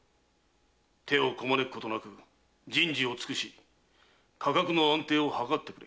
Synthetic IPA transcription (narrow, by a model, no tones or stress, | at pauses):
t̪ʰe̞o̞ko̞manekɯ̟ko̞t̪o̞nakɯ̟ | d͡ʑĩɲd͡ʑio̞t͡sɨ̥kɯ̟ɕi | kʰakakɯ̟no̞ãnt̪e̞ːo̞hakat̪ːe̞kɯ̟ɾḛ